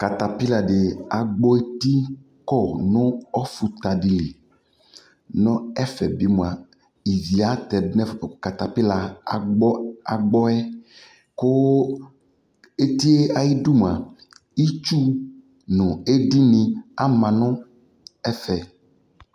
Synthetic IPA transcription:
ka˨t̪a˨pi˦la˨ɖe˨a˨ɡ͡bɔ˦e˦t̪i˦ | kɔ˦˨nɔ̃˦ɔ˦fu˨t̪a˨di˨li˨ | nɔ̃˦ɛ˦fɛ˨bi˦mũ˨a˨ | i˨vi˨a˦t̪ɛ˨˦nɛ˦fka˨t̪a˨pi˦la˨a˨ɡ͡bɔ˦a̰˨ɡ͡bɔ˦ɛ˦ | ko˦ | e˦t̪i˦e˦a˨ji˦du˦m˨a˨ | i˦t͡ʃu˦ | nɔ̃˨e˦di˦nĩ˨a˦mã˨nɔ̃˦ | ɛ˦fɛ˨

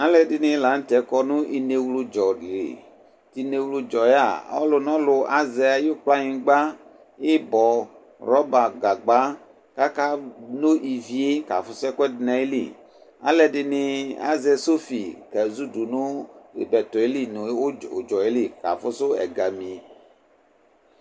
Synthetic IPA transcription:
a˦lɛ˨dɪ˨nɪ̃˦la˨˦n̩˦t̪ɛ˨˦kɔ˦nũ˦ʔi˨ne˨wlo˨d͡ʒɔ˨lḛ˨ | t̪i˨ne˨wlu˦d͡ʒɔ˨ja̰˨ɔ˦lʊ˨nɔ̃˦lʊ˨ʔa˦zɛ˨a˨jo˦k͡pla˦ɲĩ˨ɡ͡ba˦ | e˦bɔ˨ | ɾɔ˦ba˨ɡa˨ɡ͡ba˦ | ka˦ka˦no˦ʔi˨vi˨e˦ka̰˨fʊ˦sɛ˦kwɛ˦dnã˨e˦lḭ˨ | a̰˦lɛ˨ɖɪ˨ne˨a̰˦zɛ˨so˦fi˨kɛ˨zu˦du˨nõ˦e˨bɛ˨t̪ɔ˨e˦li˦n˨˦o˦˨d͡ʒɔ˨e˦li˦ka̰˨fʊ˦so˦ɛ̰˨ɡa˨mĩ˨

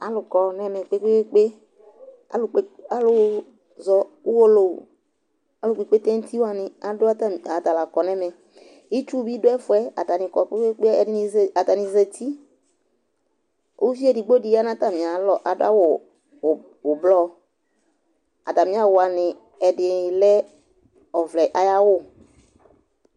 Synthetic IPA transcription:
a˨lʊ˨kɔ˨nɛ˦mɛ˨k͡pe˦k͡pe˦ke˦k͡pe˦ | a̰˦lʊ˨k͡pe˦a˦lʊ˦ | zɔ˨˦wo˦lo˨ | a˦lʊ˨k͡pe˨k͡pe˦tɛ̃˦n̩˦t̪i˦wa˨nɪ̃˨a˨dʊ˦ta˨t̪a˨la˨kɔ˨nɛ˦mɛ˨ | i˦t͡ʃu˦bi˦dʊ˦ɛ˦fʊ˨˦ɛ˦a̰˨t̪a˨nɪ˨kɔ˨k͡pe˦kk͡pe˦˨dɪ˦n˦˨a˨t̪a˨nɪ˨zɛ˨t̪ʰi˦ | o˦fi˦ɛ˦˨dɪ˨ɡ͡bo˦di˨ja˦nã˦t̪a˨mɪ̃˨a˨lɔ˨ʔa˨dʊ̰˦a̰˦wʊ˨ | wʊ˨blɔ˦ | a̰˨t̪a˨mɪ̃˨˦a˨wʊ˨a˨nɪ̃˨ | ɛ˨dɪ˨lɛ˦ | ɔ˨vlɛ˨ʔa˨˦ja˦wʊ˦˨

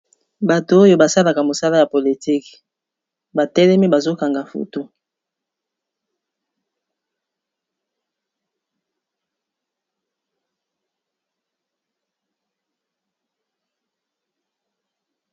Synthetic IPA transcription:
ba˨to˨o˦jo˦ba˨sa˦la˨ka˨mo˨sa˦la˦ja˨po˨li˨ti˦k | ba˨tɛ˦lɛ˦mi˦ba˨zo˦ka˨ŋɡa˨fṵ˨tu˦

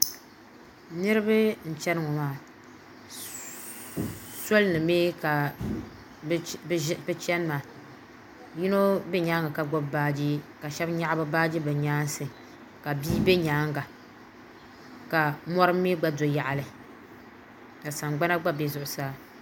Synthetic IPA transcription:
nɨ˦ɾɨ˦bɨ˦n̩˨t͡ʃɛ˦nɨ˦ŋɔ˨maː˦ | so˦lnɨ˨meː˦ka˨˦ | pɨ˦t͡ʃɛ˦n˦maː˨ | ji˦no˦bɛ˦ɲaː˦ŋɡa˨ka˨ɡ͡bɔ˦bbaː˦d͡ʒi˦ka˨ʃɛ˦bɲa˦ʔbɨ˦baː˦d͡ʒi˦bɨ˨ɲaː˦n˦sɨ˨ | ka˨biː˦be˦ɲaː˨˦ŋɡa˨ | ka˨mɔ˦ɾɨ˦mːi˦ɡ͡ba˦do˨ja˨ʔa˨lɨ˨ | ka˨sa˨ŋɡ͡ba˦na˦ɡ͡ba˦be˦zʊ˨ʔʊ˨saː˦

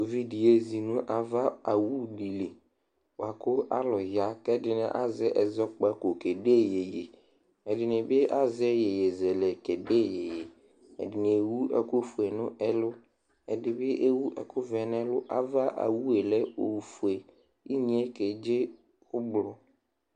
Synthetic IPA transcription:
o˨vi˦di˨je˦zi˨nʊ̃˦ʔa˨va˦a˨wu˦˨di˨le˨ | wa˨kʊ˦a̰˦lɔ˨ɦa˦kɛ˦dɪ˨nɪ̰̃˨ʔa̰˨zɛ˦ʔɛ˨zɔ˦k͡pa˦ko˨kɛ˨de˦je˨je˨ | ɛ˨dɪ˨nɪ˨bɪ˦ʔa˦zɛ˦je˨je˨zɛ˨lɛ˨kɛ˨de˦˨je˨je˨ | ɛ̰˨dɪ˨nɪ̃˨e˨wu˦ɛ̰˦ko˦fu˨ɛ˨nʊ̃˦ʔɛ˦lʊ˦ | ɛ˨dɪ˨bɪ˦ʔe˦wu˦ʔɛ̰˨kʰʊ˦vɛ˨n˦ɛ˦lʊ˦ʔa̰˨va˦ʔa̰˨wu˦e˨lɛ˦o˨fu˨e˨ | i˦ɲĩ˨˦ɛ˦kɛ˨d͡ʒe˦ | ʊ˦blʊ˦

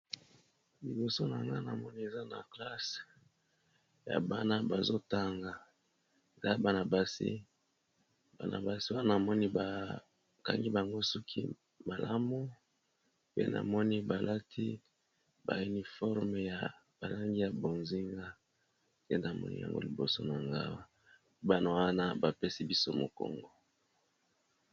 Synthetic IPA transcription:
li˨bo˨so˦na˨ŋɡa˦na˨mɔ˦ni˦e˨za˦na̰˨kla˦s | ja̰˨ba˦na˦ba˨zo˦ta˦ŋɡa˨ | e˨za˦ba˨na˨ba˦sḭ˦ | ba˨na̰˨ba˨si˦wa˦a˦na˨mɔ˦ni˦ba˨ | ka̰˦ŋɡi˦ba˨ŋɡo˦su˦kʰḭ˦ | ma˨la˦mu˦ | pḛ˦na̰˨mɔ˦ni˦ba˨la˦tʰi˦ | ba̰˨y˨ni˨fɔ˦ʁme˨ja˨ | b̥a˨la˦ŋɡi˦ja˨bo˨nzi˦ŋɡa˦ | pe˦na˨mɔ̰˦nḭ˦ja̰˨ŋɡo̰˦li˨bo̰˨so̰˦na˨ŋɡa̰˦wa˦ | ba˨no˨wa˦na˦ba˨pe˦si˦bi˦so˦mo̰˨ko̰˨ŋɡo˨

